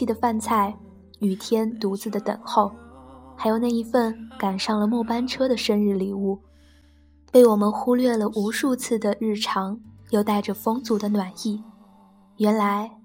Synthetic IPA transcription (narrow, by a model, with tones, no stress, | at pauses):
i˥˩d̪ə˩fa˥˧nt͡sʰa˥˩ɪ | y˨˩t̪ʰjɛ˥nt̪u˧˥t͡sɹ̩˧˩d̪ə˨t̪ə̰˨˩ŋxo˥˩ʊxa˧˥ɪjo˨˩ʊna˥˩i˧˥fə˥˩nka˨˩nʂɑ˥˩ŋlə˩mwɔ˥˩pa˥nʈ͡ʂʰɤ˥d̪ə˨ʂə˥nɻɻ̩˥˩li˨˩˦u˥˩ | pe˥˩ɪwɔ˨˩mə˦nxu˥lɥɛ˥˩lə˩ʔu˧˥ʂu˥˧t͡sʰɹ̩˥˩d̪ə˩ɻɻ̩˥˩ʈ͡ʂʰɑ˧˥ŋjo˥˧ʊt̪a˥˩ɪʈ͡ʂə˩fɤ˥ŋt͡su˨˩d̪ə˧nwa˨˩ni˥˩ | ɥɛ˧˥nla˧˥ɪ